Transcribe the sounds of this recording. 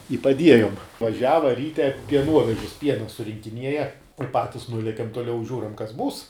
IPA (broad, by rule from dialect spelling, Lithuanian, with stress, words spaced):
ɪ pɐˈdʲiɛjʊm ʋɐˈʒʲæːʋɐ ˈrʲiːtʲɛ pʲiɛˈnuɔʋʲɛʒʲɪs ˈpʲiɛnɐ sʊrʲɪŋʲkʲɪˈnʲiɛjɛ ɪ ˈpɑːtʲɪs ˈnʊlʲiɛkʲɛm toːˈlʲɛʊ ˈʒʲuːrɐm kɐs ˈbuːs